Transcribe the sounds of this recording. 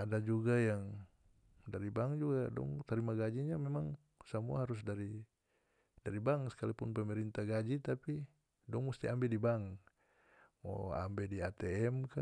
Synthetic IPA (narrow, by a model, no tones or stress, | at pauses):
adad͡ʒuɡajaŋ | daɾibaŋd͡ʒuɡadɔ̰ŋt̪aɾimaɡad͡ʒiɲamɛmaŋ | samuaɦaɾus̬daɾi | daɾibaŋsə̥kalipunpɛmɛɾint̪aɡad͡ʒit̪api | dɔŋmust̪iambɛdibaŋ | mɔ̰a̰mbɛdiat̪ɛɛmka